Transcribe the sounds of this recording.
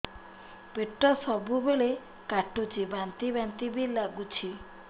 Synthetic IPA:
peʈːɔsɔbubeɭe | kaʈot͡ʃibant̪ibant̪ibilaɡut͡ʃʰi

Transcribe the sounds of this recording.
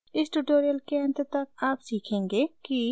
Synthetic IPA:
ɪsʈuʈoːɾijəlkeə̃nt̪t̪ɐk̚aːpsiːkʰẽːŋɡeːki

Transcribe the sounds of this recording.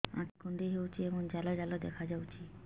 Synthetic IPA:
ã̰ʈkund̪eɦewt͡ʃʰiemɔnd͡ʒalɔd͡ʒalɔd̪ekʰad͡ʒawt͡ʃʰi

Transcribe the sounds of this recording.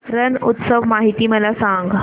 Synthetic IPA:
ɾənut̪səʋmaɦit̪iːməlasaŋɡ

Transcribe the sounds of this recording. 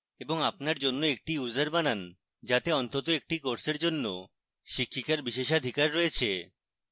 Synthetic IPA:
eboŋapnaɾd͡ʑonːoek̚ʈiuzaɾbanan | d͡ʑat̪eɔnt̪ot̪oek̚ʈikoɾseɾd͡ʑonːo | ʃikʰːikaɾbiʃeʃad̪ʱikaɾːoet͡ɕʰe

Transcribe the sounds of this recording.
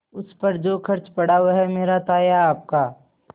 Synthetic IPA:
ʊspɐɾd͡ʒoːkʰɐɾt͡ʃpɐɽ̤aːwɦɛmeːɾat̪aːjaːp̚kaː

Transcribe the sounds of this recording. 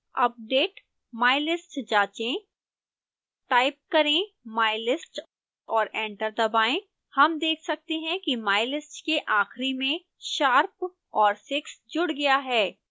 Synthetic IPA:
ɐp̚ɖeːʈ | maːɪlɪsʈd͡ʒaːt͡ʃẽ | ʈaːɪp̚kɐɾẽ | maːɪlɪsʈ | ɔːɾɛ̃ːɳʈəɾd̪ɐbaːẽ | hɐmd̪eːkʰsɐk̚t̪eɦɛ̃kimaːɪlɪsʈkeʔaːxɾimẽ | ʃaːɾp | ɔːɾsɪksd͡ʒʊɽɡɐjaɦɛː

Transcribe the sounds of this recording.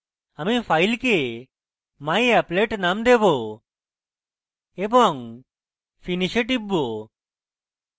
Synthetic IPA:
amipʰajlke | majɛpleʈnamd̪ebo | ebɔŋ | pʰiniʃeʈ̬ibːo

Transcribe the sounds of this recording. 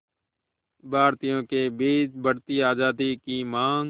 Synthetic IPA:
bʱaːɾt̪ɪjõːkeːbiːd͡ʒbʱəɽt̪iːaːd͡ʒaːd̪iːkiːmaːŋ

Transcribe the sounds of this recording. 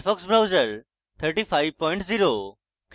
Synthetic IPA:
fɔksbɾaʊzəɾ | t̪ʰəɾʈifaːɪʋpɔːɪ̃ɳʈziːɾoː | k

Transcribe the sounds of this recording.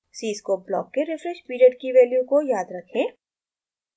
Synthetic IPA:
siːskoːp̚blɔ̰ːkːeɾɪfɾɛʃpiːɾiəɖkiʋɛːljukojaːd̪ɾɐkʰẽː

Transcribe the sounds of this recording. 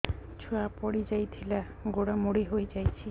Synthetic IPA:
t͡ɕʰuapɔɽid͡ʑajt̪ʰila | ɡoɽamoɽiɦojd͡ʑajt͡ɕʰi

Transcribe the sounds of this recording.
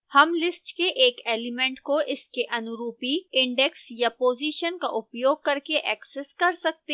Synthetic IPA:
hɐmlɪsʈkeʔeːkeːlimẽɳʈkoʔɪskeʔɐnʊɾuːpiɪ̃ɳɖɛksjapoːziːʃənka̰ʔʊpjoːɡ̚kɐɾkeʔɛːksɛskɐɾsɐk̚t̪e

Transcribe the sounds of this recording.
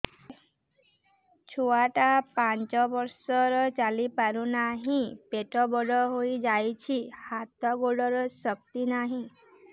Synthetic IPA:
t͡ʃʰoaʈapant͡ʃɔbɔɾsɔɾɔt͡ʃalipaɾunaɦĩpeʈɔbɔɽɔɦojd͡ʒajt͡ʃʰihat̪ɔɡoɽɔɾɔsɔk̚t̪inaɦĩ

